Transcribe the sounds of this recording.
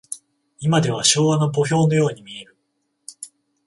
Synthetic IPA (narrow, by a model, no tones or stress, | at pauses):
imad̪e̞β̞aɕo̞ːβano̞bo̞ç̬o̞ːno̞jo̞ːɲ̟imʲie̞ɾɯ̟